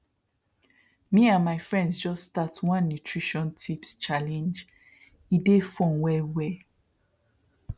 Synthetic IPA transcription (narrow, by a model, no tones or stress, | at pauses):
miãnmaɪfɹɛ̃ndsd͡ʒɔstatwãnːutʰɹiʃɔ̃ntʰipst͡ʃalɛ̃nd͡ʒ | idefɔ̃nwɛwɛ